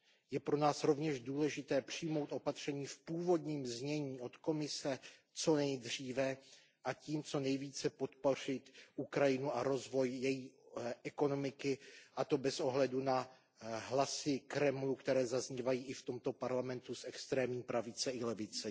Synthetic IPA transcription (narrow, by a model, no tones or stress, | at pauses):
jɛpɾo̞naːsɾo̞vɲɛʒduːlɛʒɪt̪ɛːpr̝̥ɪjmo̞wt̪ʔo̞pat̪r̝̥ɛɲiːfpuːvo̞dɲiːmzɲɛɲiːʔo̞t̪ko̞mɪsɛ | t͡so̞nɛjd̪r̝iːvɛ | ʔaciːmt͡so̞nɛjviːt͡sɛpo̞t̪̚po̞r̝ɪt̪ukɾajɪnuaɾo̞zvo̞jjɛjiːʔɛko̞no̞mɪkɪʔat̪o̞bɛsʔo̞ɦlɛduna | ɦlasɪkɾɛmlukt̪ɛɾɛːzazɲivajiːʔɪft̪o̞mt̪o̞paɾlamɛnt̪usɛkst̪ɾɛːmɲiːpɾavɪt͡sɛɪlɛvɪt͡sɛ